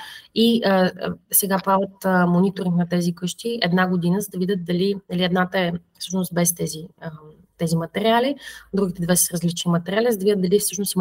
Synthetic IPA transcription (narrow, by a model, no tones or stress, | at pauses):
iəsɛɡapɾavət̪monit̪oɾiŋknɐt̪ɛzikɤʃt̪iɛd̪naɡod̪inəzəd̪ɐvid̪ʲət̪̚d̪ɐlinɐliɛd̪nat̪əɛfsɤʃnost̪̚bɛst̪ɛziə | t̪ɛzimɐt̪ɛɾʲialid̪ɾuɡ̟it̪ɛd̪vɛsə̥ɾɐzlit͡ʃnimɐt̪ɛɾialʲizəd̪ɐvidʲətd̪d̪ɐlifsɤʃnosim